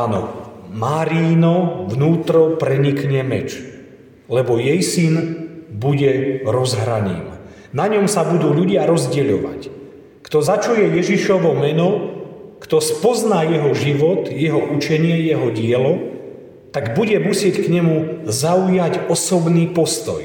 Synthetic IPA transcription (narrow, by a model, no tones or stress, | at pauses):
anɔ̰maɾiːnɔʋnuːt̪ɾɔpɾɛɲikɲɛmɛ̰t͡ʃ | lɛbɔjɛjsinbuɟɛɾɔzɦɾa̰ɲḭːm | naɲɔmsabud̪uːʎuɟɪaɾɔzɟɛʎɔʋa̰c | kt̪ɔzat͡ʃujɛjɛʒiʃɔʋɔmɛnɔkt̪ɔspɔznaːjɛɦɔʒiʋɔt̪jɛɦɔʔut͡ʃɛɲɪɛjɛɦɔɟɪɛlɔ | t̪aɡbuɟɛmusɪɛckɲɛmuzaujacɔsɔbniːpɔst̪ɔ̰j